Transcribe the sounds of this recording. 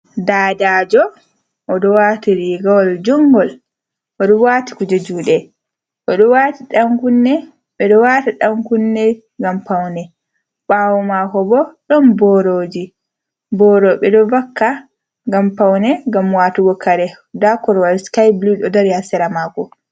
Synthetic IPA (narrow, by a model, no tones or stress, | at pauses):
daːd͡ʒaːd͡ʒɔ | ʔːɗɔwatiɾiɡawɔld͡ʒɔŋɡɔl | ʔɔɗɔwaːti̥kud͡ʒod͡ʒuːɗɛ | ʔɔɗɔwatiɗaŋkunːɛ | ɓɛɗɔwatiɗaŋkunːɛ | ŋɡampawnɛ | ɓawɔmakɔbɔɗɔnbɔɾod͡ʒi | bɔɾɔɓɛɗɔvakːa | ŋɡampawnɛŋɡamwaːtuwɔkːaɾɛ | dakɔɾwalskajbluɗɔdaɾihasɛɾamakɔ